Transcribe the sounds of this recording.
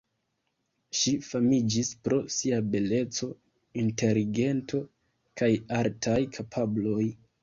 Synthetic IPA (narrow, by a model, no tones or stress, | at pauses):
ʃifamid͡ʒispɾo̞siabe̞le̞t͡so̞ | inte̞liɡe̞ntʰo̞ | kajaɾtajkʰapʰablo̞j